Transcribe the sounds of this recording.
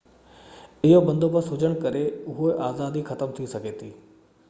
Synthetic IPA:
ɪɦobɐ̃nd̪ʱopɐsɦʊd͡ʑəɽ̃kɐɾeʊɦoʔaːzaːd̪ixɐt̪əmt̪ʰisɐɡʱeːt̪ʰiː

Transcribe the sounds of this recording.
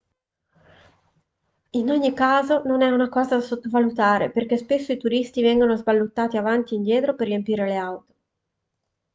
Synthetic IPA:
inoɲːikaːzononɛunakɔːzad̪asot̪ːovalut̪aːɾḛperk̟espesːoit̪uɾist̪ivɛŋɡonozbalːut̪ːaːt̪iavant̪iːnd̪jɛːt̪ɾoperːiempiːɾeleawt̪o̥

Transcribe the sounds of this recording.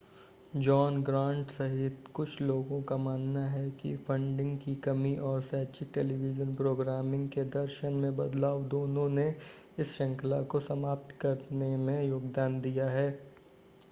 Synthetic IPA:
d͡ʒɔːnɡɾãːɳʈsɐɦɪt̪kʊt͡ʃʰloːɡõkamaːnːaɦɛkḭfɐ̃ɳɖɪ̃ŋɡkikɐmiʔɔːɾsɛːt͡ʃɪk̚ʈeːliʋɪd͡ʒənpɾoːɡɾaːmɪ̃ŋɡked̪ɐɾʃənmẽbɐd̪laːʋd̪oːnõne | ɪsʃɐ̃ŋklakosɐmaːp̚t̪kɐɾnemẽjoːɡd̪aːnd̪ijaɦɛː

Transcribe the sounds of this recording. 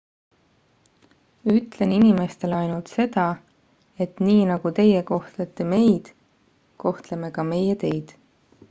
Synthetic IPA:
yt̪ːˑle̞ninime̞st̪e̞lɑjnult̪se̞d̪ɑ | e̞t̪niːnɑɡ̥ut̪e̞jeko̞ht̪let̪ːˑeme̞jd̪̥ | ko̞ht̪le̞me̞kɑme̞jet̪e̞jd̪̥

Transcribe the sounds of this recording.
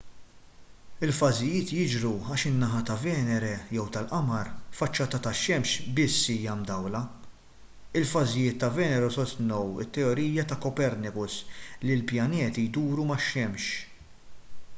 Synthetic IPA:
ɪlfɐzɪjɪːt̪jɪd͡ʒɾuɐːʃɪnːɐɦɐt̪ɐvɛːnɛɾɛjɛwt̪ɐlʔɐmɐɾfɐt͡ʃːɐːt̪ɐt̪ɐʃɛmʃbɪsːiːjɐmd̪ɐwlɐ | ɪlfɐzɪjɪːt̪ːɐvɛːnɛɾusɔst̪nɔwɪ̰t̪ːɛɔɾiːjɐt̪ɐkɔpɛɾnɪkʊslɪlpjɐnɛːt̪ijd̪uːɾumɐʃːɛmʃ

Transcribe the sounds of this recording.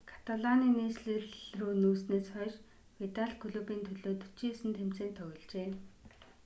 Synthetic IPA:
kʰḁt̪aɮaniːneːsɮĕrɮruːnuːsneːsχœːʃ | wit̪aɮkʰɵɮuːpiːnt̪ʰɵɮoːt̪ɵ̥t͡ɕiːsɘ̆nt̪ʰem̥t͡seːnt̪ʰœɣɞ̆ɮt͡ɕeː

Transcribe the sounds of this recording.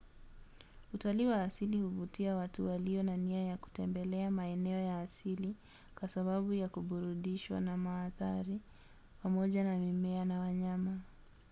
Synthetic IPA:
utaliwaːsilihuvutiawatuwaliɔnaniajaku̥tɛmbɛlɛamaɛnɛɔjaːsili | kwasaɓaɓujakuɓuɾuɗiʃwa̰namaːθaɾi | pamɔʄanamimɛanawaɲama

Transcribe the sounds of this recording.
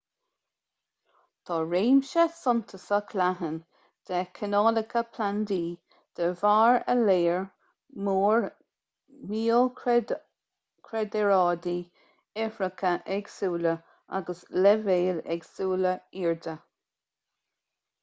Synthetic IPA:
t̪ʰɑːɹeːmʃɛsʊnt̪ʰəsəkʰlaɦən | d̪̥ɛkʰənɑːlɪkʰəpʰland̪iː | d̪̥əvaːɹə̰leːɹ | muːɹ | miːl | kʰɹɛd̪ɛɹɑːd̪i | ɛfɾəkʰəʔɛɡsuːlə | a̰ɡəslɛveːlɛ̰ɡsuːləiːɹd̪ə

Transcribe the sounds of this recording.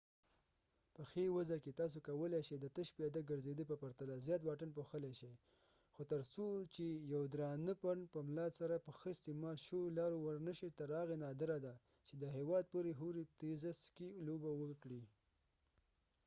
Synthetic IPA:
pəxewazaket̪ɑs̬okawəleʃejd̪ət̪əʃpiad̪aɡəɾzed̪əpəpaɾt̪alazjɑt̪wɑʈənpoxəleʃej | xot̪əɾsot͡ʃejawd̪ɾɑnəpaɳpəmlɑd̪saɾapəxəɪst̪emɑlʃəwolɑɾowəɾnəʃet̪əɾɑɣenɑd̪ɪɾad̪a | t͡ʃed̪əɦewɑd̪̚poɾeɦuɾit̪ezəskelobawəkɽi

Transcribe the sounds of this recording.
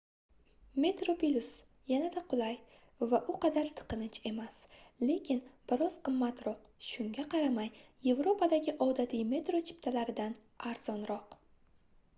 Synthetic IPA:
me̞t̪ɾo̞pilʲus | janad̪aqʰʊlˠaj | vaʔʊqʰɑd̪aɾt̪ʰɨ̥qʰɨlɪnt͡ʃʰe̞masle̞kʲʰɪnbɪɾɒz̥qɨmːat̪ɾɒq | ʃʊŋɡʲaqʰɑɾamajje̞vɾo̞pʰad̪aɡʲɪʔɒwd̪at̪ʰijme̞t̪ɾot͡ʃʰɪ̥pt̪ʰalaɾɪd̪an | aɾz̥ɒnɾɒq

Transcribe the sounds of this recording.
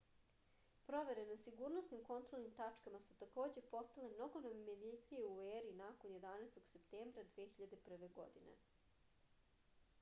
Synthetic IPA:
pɾo̞ʋe̞ɾenasiɡuɾnosnimko̞nt̪ɾo̞lˠnimt̪at͡ʂkamasut̪ako̞ːd͡ʑe̞po̞st̪ale̞mno̞ɡonomimed̪it̪ijeueːɾiːnako̞nje̞d̪aneːst̪o̞ɡ̥se̞pt̪eːmbɾad̪ʋeexiʎad̪e̞pr̩ʋe̞ɡo̞̰d̪inḛ

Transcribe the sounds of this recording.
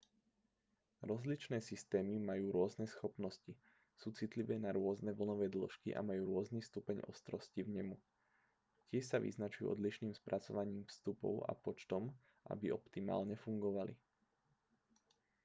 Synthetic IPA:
ɾɔzlit͡ʃnɛːsist̪ɛːmimajuːɾʊɔznɛsxɔpnɔsci | suːt͡sit̪liʋɛːnaɾʊɔznɛʋl̩nɔʋɛːd̪l̩ʃkḭʔa̰majuːɾʊɔznist̪upɛɲʔɔ̰st̪ɾɔscivɲɛmu | cɪɛʃsaʋḭznat͡ʃujṵːʔɔ̰d̪liʃniːmspɾʔat͡sɔʋaɲiːmfst̪upɔ̰ʊa̰pɔt͡ʃt̪ɔm | ʔa̰biʔɔpt̪ima̰ːlɲɛfuŋɡɔʋali

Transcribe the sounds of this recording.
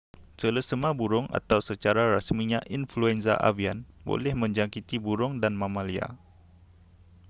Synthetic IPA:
sələsəmãbuɾʊŋa̰t̪awsət͡ʃaɾaɾasmiɲãʔinfluɛnsa̰ʔa̰vianbo̰lɛhmə̃ɲd͡ʒaŋkit̪ibuɾʊŋdanmãmãlia̰

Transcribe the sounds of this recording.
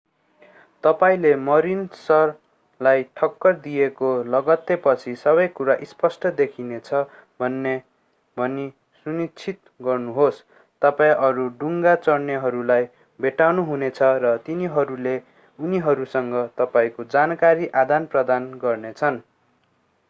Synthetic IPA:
t̪ʌpaĩlemʌɾinsʌr | lajʈʰʌkːʌrd̪ijekolʌɡʌt̪epʌt͡sʰisʌβʌjkuɾaʔispʌsʈʌd̪ekʰinet͡sʰʌ | bʱʌnːe | bʱʌni | sunit͡sʰit̪̚ | ɡʌrnuɦos | t̪ʌpaĩʔʌɾuɖuŋɡat͡sʌrnjʌɦʌɾulaj | bʱeʈawnuɦunet͡sʰʌrʌt̪iniɦʌɾule | uniɦʌɾusʌŋɡʌt̪ʌpaĩkod͡zankaɾiʔad̪anprʌd̪anɡʌrnet͡sʰʌn

